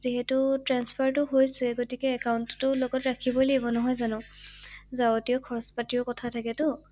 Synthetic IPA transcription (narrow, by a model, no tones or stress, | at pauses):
ziɦɛtʊtɹanspʰaɹtʊɦojsɛɡotikɛːkaʊntɔtʊlɔɡɔtɹakʰibolebɔnɔɦɔjzanʊ̃ | zawotiɔkʰɔɹɔspatiɔkɔtʰatʰakɛtʊ